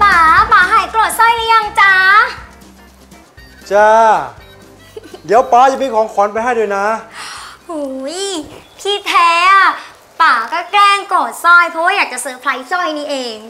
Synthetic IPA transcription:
paː˨˩˦paː˨˩˦ɦaː˨˩˦jklo˨˩t̪̚sɔ˥˩jniː˧˥˦ja˧ŋt͡ɕa˧˥ | t͡ɕaː˧˩ | di˨˦əwpaː˨˦t͡ɕa˨mi˧˩kʰɔː˨˦ŋkʰɔ˨˦np̬a˧jɦa˥˩jdo˧jna˦˥ | hu˧˦jp̪ʰiː˥˩t̪ʰɛː˧˦˥a˧˩ | paː˨˩˦kɔː˥˩klɛː˥˩ŋkoː˨˩t̪̚sɔ˥˩jpʰɾɔ˦˥waː˥˩jaː˨˩t͡ɕa˨˩sɤː˨˧˦pʰla˧˦˥jsɔ˥˩jniː˥˩ʔeː˧ŋ

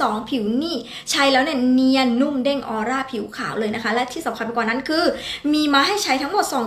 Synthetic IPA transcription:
ɔː˩˦ŋpʰi˨˩˦wniː˥˩ | t͡ɕʰa˧˥jlɛː˦˥wni˥˩əni˧˥ənu˥˩mde˥˩ŋʔɔː˧ɾaː˥˩pʰi˨˩˦wkʰaː˩˦wlɤː˧jna˦˥kʰa˦˥lɛ˦˥t̪ʰiː˥˩sa˩˦mkʰa˧pi˧˩kwaː˨˩na˦˥nkʰɯː˧miː˧maː˧ɦa˥˩jt͡ɕʰa˦˥jt̪ʰa˦˥ŋmo˨˩t̪̚sɔː˩˦ŋ

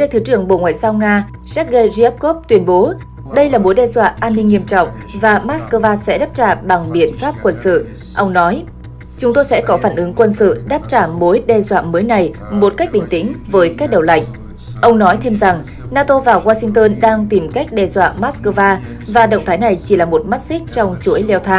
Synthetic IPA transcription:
ɗe˧jt̪ʰɨ˨˦t͡ɕɨ˨˩əŋɓo̰˧˨ŋwa̰ː˧˨jzaː˧wŋaː˧ | zɛ˦˥t̚ɣe˧zi˧ɛ˦˥p̚ko˦˥p̚t̪wi˨˦ənɓo˨˦ | ɗə˧jlaː˨˩mo˨˦jɗɛ˧zwa̰ː˧˨ʔaː˧nːï˧ŋːi˧əmt͡ɕɔ̰˧˨wŋ͡m | vaː˨˩maː˦˥t̚skəː˧vaː˧sɛ̰˧˥ɗaː˦˥p̚t͡ɕaː˧˩ɓa˨˩ŋɓḭ˧˨ənfaː˦˥p̚kwə˧nsɨ̰˧˨ | ʔə˧wŋ͡mnɔ˨˦j | t͡ɕʊ˨˦ŋ͡mt̪o˧jsɛ̰˧˥kɔ˨˦faː˧˩nʔɨ˨˦ŋkwə˧nsɨ̰˧˨ɗaː˦˥p̚t͡ɕaː˧˩mo˨˦jɗɛ˧zwa̰ː˧˨məː˨˦jna˨˩jmo˨˩t̚ka˦˥k̚ɓï˨˩ŋ̟t̪ï˨˦ŋ̟vəː˨˦jkaː˦˥k̚ɗə˨˩wla̰˧˨jŋ̟ | ʔə˧wŋ͡mnɔ˨˦jt̪ʰe˧mza˨˩ŋ | naː˧t̪o˧vaː˨˩ɣwaː˧sï˧ŋ̟t̪əː˧nɗaː˧ŋt̪i˨˩mka˦˥jk̟̚ɗɛ˧˩zwa̰ː˧˨maː˦˥t̚skəː˧vaː˧ | vaː˨˩ɗə̰˧˨wŋ͡mt̪ʰaː˨˦jna˨˩jt͡ɕi˧˩laː˨˩mo˨˩t̚ma˦˥t̚sï˦˥k̟̚t͡ɕɔ˧wŋ͡mt͡ɕu˧˥əjlɛ˧wt̪ʰaː˧ŋ

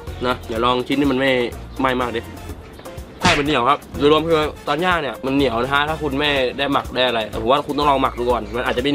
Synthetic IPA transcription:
nɔ˦˧˥ɲaː˨˩˦lɔː˧ŋt͡ɕ̪ʰniː˥˩ma˧nma˥˩jma˥˩jmaː˥˩k̚e˧˩ | k̪ʰaː˥˩jma˧nːi˨˩˦wkʰa˦˥p̚u˧ɾu˧əmkʰɯ˧t̪ɔː˧nɲjaː˥˩k̚ni˧˩ɐma˧nːi˨˩˦wna˧kʰa˦˥t̪ʰaː˥˩kʰu˧nmɛː˥˩da˥˩jma˨˩k̚daː˥˩jʔa˧ɾa˧jkʰa˧˩pʰo˨˦aː˥˧˩kʰu˧nt̪ɔ˥ŋlɔː˧ma˨˩k̚du˧kɔː˧˩nma˧nʔːt̪̚t͡ɕa˨ma˥˩˨

